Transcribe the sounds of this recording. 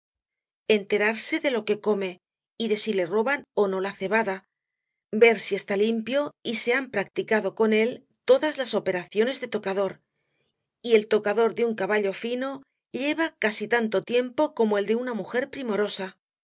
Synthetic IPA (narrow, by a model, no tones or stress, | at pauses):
e̞nt̪e̞ɾaɾse̞ðe̞lo̞ke̞ko̞me̞ | iðe̞sile̞ro̞βano̞no̞laθe̞βaða | be̞ɾsie̞st̪alimpjo̞ise̞ampɾak̚t̪ikaðo̞ko̞ne̞l | t̪o̞ðazlaso̞pe̞ɾaθjo̞ne̞zðe̞t̪o̞kaðo̞ɾ | ie̞lt̪o̞kaðo̞ɾðeuŋkaβaʎo̞fino̞ | ʎe̞βakasit̪ant̪o̞t̪je̞mpo̞ko̞moe̞ld̪e̞unamuxe̞ɾpɾimo̞ɾo̞sa